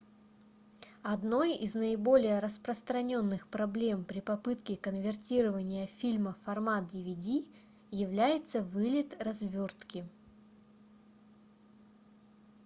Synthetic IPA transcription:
ɐd̪no̞jḭznəɪbo̞lʲɪjəɾəspɾəst̪ɾɐnʲo̞nːɨxpɾɐblʲe̞mpɾʲɪpɐpɨt̪kʲɪkənvʲɪrtʲiɾəvənʲɪjəfʲilʲməfɐrmat̪̚dʲɪvʲɪdʲi | jɪvlʲæjɪt̪səvɨlʲɪt̪rɐzvʲo̞rt̪kʲɪ

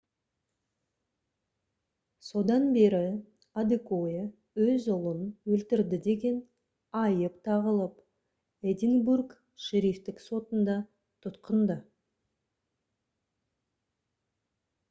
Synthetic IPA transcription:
so̞d̪ɑnbe̞ɾɪ | ad̪ikoje | wɵzʊlˠənwɵlt̪ɪɾd̪ɪd̪e̞ɡʲe̞n | ɑjəpt̪ʰɑʁəlˠəp | ed̪ɪnburk | ʃeɾift̪ɪkso̞t̪ənd̪ɑ | t̪ʰʊt̪qənd̪ə

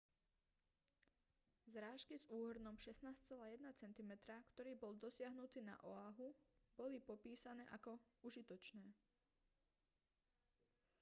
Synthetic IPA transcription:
zɾaːʃkizuːɦr̩nɔmʃɛsnaːst͡sɛlaːjɛd̪̚nat͡sɛnt̪imɛt̪ɾakt̪ɔɾiːbɔld̪ɔsɪaɦnut̪iːna̰ʔɔaɦubɔlipɔpiːsanɛːʔakɔuʒit̪ɔt͡ʃnɛː

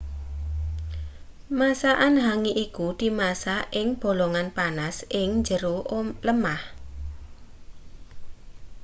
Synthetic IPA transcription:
masaʔanɦaŋiʔikud̪̥i̤masaʔɪŋb̥o̤lɔŋanpanasʔɪŋɲd͡ʒəɾuləmah

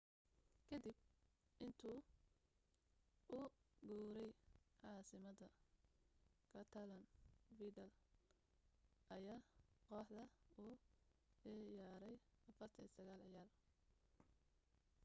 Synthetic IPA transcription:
kʰɐd̪ibʔɪnt̪ʰuː | ʊɡuːɾɛjʕɑːsɪmɐðɐ | kʰɐt̪ʰɐlɐnfiːd̪ɐl | ʔɐjaːqɔːħd̪ɐuː | ɛjaːɾɛjɐfɐrt̪ʰɐsɐɣaːlɐjaːl

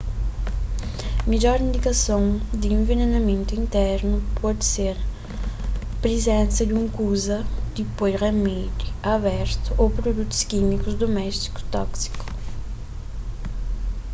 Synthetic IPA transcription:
mid͡ʒɔɾind̪ikasõŋd̪iẽɱvenenamẽnt̪uint̪ɛɾnupʰɔd̪seɾ | pɾezɛ̃nsɐd̪uŋkuzɐd̪̥ipojremɛd̪iaβɛɾt̪uʔopɾod̪ut̪u̥skimikuzd̪omɛst̪i̥ku̥t̪ɔksi̥kʊ̥

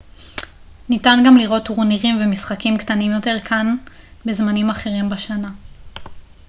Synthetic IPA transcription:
nitanɡamliʁo̞tuʁniʁimvemisχakimktanimjo̞te̞ʁkʰanbe̞zmanimaχe̞ʁimbaʃana

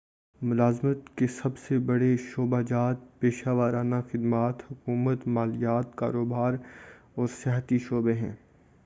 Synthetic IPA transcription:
mʊlaːzmət̪kesɐbsebɐɽeʃoːbad͡ʒaːt̪̚peːʃaːʋaːɾaːnaxɪd̪maːt̪hʊkuːmət̪maːlijaːt̪ka̰ːɾoːbaːɾ | ɔːɾsɛɦət̪iʃoːbeɦɛ̃ː

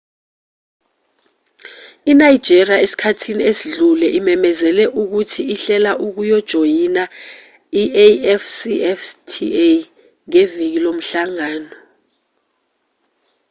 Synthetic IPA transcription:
inaid̥ʒ̥ʱeriaesi̥kʰatʰiniesiɮulɛʔimɛmɛzɛlɛʔuk̬utʰiiɬɛlaʔuk̬ujɔd̥ʒ̥ʱojina | iʔeɛfsiɛftʰḭe | ŋevik̬ilom̩ɬaŋaːnɔ

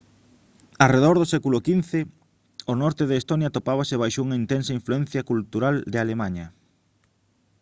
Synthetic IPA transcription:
areðoɾðosɛkulʊkin̟θe | onɔɾt̪eðeːst̪onjat̪opaβ̞aseβajʃouŋɐint̪ɛnsɐiɱfluɛn̟θjɐkult̪uɾald̪ɪalemaɲɐ

